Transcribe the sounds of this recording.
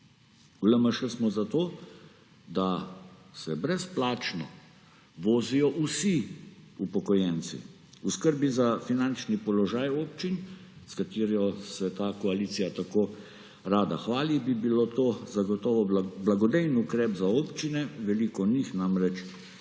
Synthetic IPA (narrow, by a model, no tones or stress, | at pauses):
uləməʃəsmɔzat̪oː | d̪asɛbɾɛsplaːt͡ʃnɔ̰ | ʋoːzijɔʔusiupɔkɔjɛnsḭ | uskəɾbizafinant͡ʃnipɔlɔʒaːjoːpt͡ʃin | skat̪iːɾjɔsɛt̪aːkɔaliːt̪sijat̪akoː | ɾaːd̪axʋaːlibibilot̪oːzaɡɔt̪ɔːʋɔblaɡɔd̪ɛjnukɾɛːpzaoːpt͡ʃinɛʋɛlikɔnixnamɾɛt͡ʃ